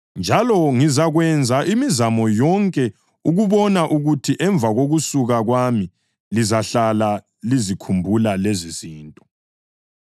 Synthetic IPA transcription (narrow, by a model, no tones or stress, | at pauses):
nd͡ʒʱalɔŋizaɣwɛnd͡zʱaʔimizamɔjɔŋkʼɛ | uɣuβɔnaʔuɣutʰiʔɛɱb̪vʱaɣoɣusuɣaɣwami | lizaɬala | lizikʰumbʱulaleziz̥iːntʼɔ̥